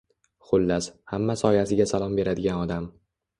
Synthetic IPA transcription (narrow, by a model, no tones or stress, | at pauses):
χʊlːashamːasɒjhasɪɡʲasalˠɒmbe̞ɾad̪ɪɡʲanɒd̪am